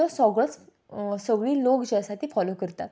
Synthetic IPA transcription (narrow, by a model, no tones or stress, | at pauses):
ɔsɔɡɭət͡s | səɡɭiːlokd͡ʑasat̪ʰiːfɔlokəɾt̪at̪